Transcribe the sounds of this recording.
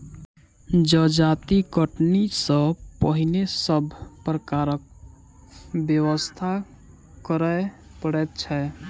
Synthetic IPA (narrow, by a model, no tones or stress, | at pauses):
d͡ʒəd͡ʒat̪iɡəʈnisə̃pəɦinesəbʱpɾəkaɾək̚ | bjəwəst̪ʰa | kəɾəepəɽɛt̪̚t͡ʃʰɛ